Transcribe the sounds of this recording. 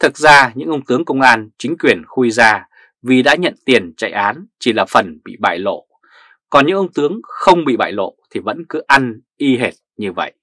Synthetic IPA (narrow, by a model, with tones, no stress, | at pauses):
t̪ʰɨ˨˩t̚zaː˧ɲɨ̰˧˥ŋʔə˧wŋ͡mt̪ɨ˨˦əŋkə˧wŋ͡mʔaː˧nt͡ɕï˨˦ŋ̟kwi˨˩ənxu˧jzaː˧ | vi˨˩ɗa̰ː˧˥ɲə̰˧˨nt̪i˨˩ənt͡ɕa̰ː˧˨jʔaː˨˦nt͡ɕi˨˩laː˨˩fə˨˩nɓḭ˧˨ɓa̰ː˧˨jlo̰˧˨ | kɔ˨˩nɲɨ̰˧˥ŋʔə˧wŋ͡mt̪ɨ˨˦əŋxə˧wŋ͡mɓḭ˧˨ɓa̰ː˧˨jlo̰˧˨t̪ʰi˨˩və̰˧˥nkɨ˨˦ʔa˧nʔi˧ɦe˨˩t̚ɲɨ˧və̰˧˨jʔ